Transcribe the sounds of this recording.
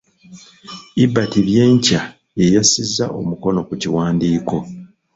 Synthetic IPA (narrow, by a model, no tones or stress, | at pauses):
ibːatiβje̞ːɲca | je̞jasizːa̰ʔo̞̰muko̞no̞kuciwaːndiːko̞